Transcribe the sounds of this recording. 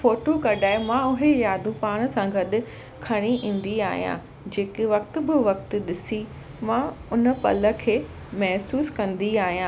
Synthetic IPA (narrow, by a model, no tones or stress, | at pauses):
foːʈokɐɗaːɪmãʊɦejaːd̪ʱũpaːɽ̃ə̆sãɡɐɗʊ̆ | kʰɐɽ̃iʔĩːn̆d̪iaːɦijã̰ | d͡ʑeːkɪʋɐk̚t̪ʊ̆bɪʋɐkt̪ʊɗɪsi | mãʊnə̆pɐ̰lə̆kʰeː | mɛɦsuːskɐ̃nd̪iaːɦijãː